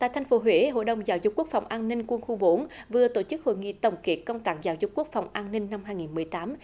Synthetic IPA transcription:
t̪a̰ː˧˨jt̪ʰa˧jŋ̟fo˨˦ɦwe˧˦ɦo̰˧˨jɗə˨˩wŋ͡mzaː˨˦wzʊ˨˩k͡p̚ku˦˥ək̚fa˨˩wŋ͡mʔaː˧nnï˧ŋ̟kwə˧nxu˧ɓo˨˦nvɨ˨˩ət̪o˧˩t͡ɕɨ˦˥k̚ho̰˧˨jŋḭ˧˨t̪ə˨˩wŋ͡mke˨˩kə˧wŋ͡mt̪aː˦˥k̚zaː˨˦wzʊ˨˩k͡p̚ku˦˥ək̚fa˨˩wŋ͡mʔaː˧nnï˧ŋ̟na˧mɦaː˧jŋi˨˩nmɨ˨˩əjt̪aː˨˦m

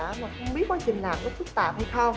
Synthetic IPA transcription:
aː˧˥maː˨˩xə˧wŋ͡mɓi˦˥ət̚kaː˧˩t͡ɕï˨˩ŋlaː˨˩mlʊ˦˥t̚fɨ˦˥t̚t̪a̰ː˧˨˩p̚ha˧jsə˧w

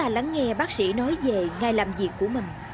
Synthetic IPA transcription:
aː˧la˨˦ŋːɛ˧ɓaː˦˥k̚sḭ˧˩˥nɔ˨˦jve˨˩ŋaː˨˧˩jlaː˨˩mzi˨˩əkːu˧˩əmï˨˩ŋ̟

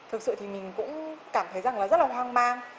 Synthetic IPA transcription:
t̪ʰɨ˨˩k̚sɨ̰˧˨t̪i˨˩mï˨˩ŋ̟kʊ̰˧˥ŋ͡mkaː˧˩mt̪ʰə˨˦jza˨˩ŋlaː˨˩zə˦˥t̚laː˨˩ɦwaː˧ŋmaː˧ŋ

